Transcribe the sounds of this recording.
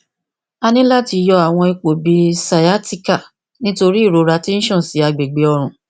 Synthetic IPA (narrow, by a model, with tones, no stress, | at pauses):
a˧nĩ˦la˦ti˧jɔ˧a˨w̃ɔ̃˧i˧k͡po˨bi˨˧sa˨a˦ti˦ka˦˨ | nĩ˦to˧ɾi˦i˦˨ɾo˨˦ɾa˧ti˦ñ̩˦ʃɔ̃˦˨si˨˦a˧ɡ͡be˨ɡ͡be˨˦ɔ˧ɾ̃ũ˨